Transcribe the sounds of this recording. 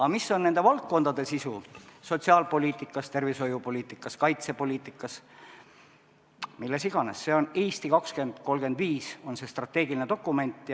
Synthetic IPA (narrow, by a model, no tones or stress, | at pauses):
ɑmisːo̞nːe̞nd̪̥evɑlt̪̚ko̞nd̪ɑd̪e̞sisuso̞t̪ʲsiɑlpo̞lʲiːt̪ˑikːˑɑst̪e̞rviso̞jupo̞lʲiːt̪ːˑikːˑɑskɑjt̪se̞po̞lʲiːt̪ːˑikːˑɑs | milːe̞siɡ̥ɑnesːe̞o̞neːst̪ikɑkske̞nd̪̥ko̞lɡ̥e̞nd̪viːso̞nse̞st̪rɑt̪ːe̞ːɡilinet̪o̞kːˑume̞nʲt̪ːˑj